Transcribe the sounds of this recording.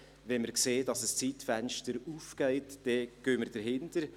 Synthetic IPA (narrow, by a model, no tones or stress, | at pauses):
vɛnməɾkseːdɑsəst͡siːtfænʃtəɾuːfɡ̥ɛɪtd̥ɛɡ̥øːməɾd̥əɾɦɪntəɾ